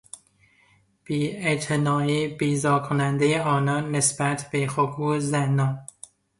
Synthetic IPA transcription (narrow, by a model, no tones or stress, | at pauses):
b̥iːet̪ʰenɒːiːbiːzɒːkʰonænd̪ejeɒːnɒːnːesbæt̪ʰbexokʰuːzænːɒːn